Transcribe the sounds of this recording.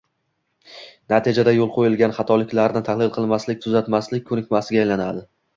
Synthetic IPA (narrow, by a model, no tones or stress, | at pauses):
nat̪ʰid͡ʒad̪ajolˠqʰojɪlɡʲanχɑt̪ʰɒlɪkʲlaɾnɪt̪ʰaχlɪlˠqʰɨlˠmaslɪk̚ʲt̪ʰʊzat̪maslɪk̚ʲkʰːɵnɪkʲmasɪɡʲaːjlanad̪ɪ